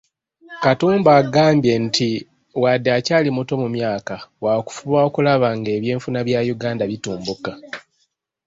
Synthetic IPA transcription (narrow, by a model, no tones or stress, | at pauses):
katuːmbaːɡaːmbjentʰi | wadːeacaːlimuto̞mumjaːkawaːku̥fuβao̞kulaβaŋɡe̞ːβje̞ːɱfunaβjajuɡaːndaβituːmbuka